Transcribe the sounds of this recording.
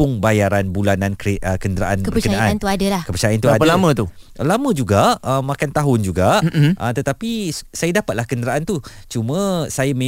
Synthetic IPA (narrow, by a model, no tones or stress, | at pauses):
ʊŋbajaɾanbulanãnkɾeəkəndɾaʔanəbəkənaaant̪uadalakəpət͡ʃajant̪uadəlamə̃t̪u | ʔlamə̃d͡ʒuɡaəmãkant̪aɦʊnd͡ʒuɡaʔət̪ət̪apisajadapat̪lahkəndəɾaʔant̪ut͡ʃumə̃sajamẽ